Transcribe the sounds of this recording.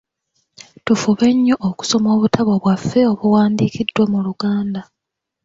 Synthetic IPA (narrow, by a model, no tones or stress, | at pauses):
tufuβe̞ɲːo̞ʔːku̥so̞mo̞ːβutʰaβo̞βwafːe̞o̞βuwaːndiːkidːwemuluɡaːnda